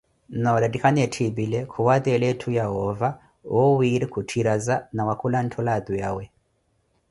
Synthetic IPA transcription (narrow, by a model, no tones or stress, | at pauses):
naladikʰanɛtʰibilɛkʰuwadɛlɛtʰujaɦɔva | wʔɔwiɾikʰutʰiɾazanawakʰulan̩tʰɔlad̪ujawɛ